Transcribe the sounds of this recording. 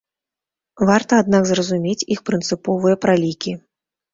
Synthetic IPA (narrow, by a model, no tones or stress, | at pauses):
vart̪ɐad̪̚nakzrɐzumʲet͡sʲixpɾɨnt̪sɨpɔvɨjɐpɾalʲikʲi